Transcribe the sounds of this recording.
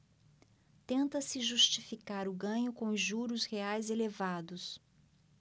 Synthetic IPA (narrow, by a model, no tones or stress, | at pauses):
t̪ẽnt̪ɐsɪʒust͡ʃifikaɾʊɡɐ̃ɲʊkõʒuɾʊsheajzelevad̪ʊs